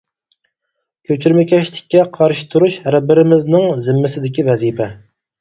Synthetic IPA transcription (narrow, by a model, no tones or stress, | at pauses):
kʲʰøt͡ʃʰyɾmɪkʲʰɛʃlɪkʲːɛqʰɑɾʃi̥t̪ʰuɾuʃhæɾɛbɪɾɪmɪznɪŋzɪmːɪsɪd̪ɪkʲivɛzipʰɛ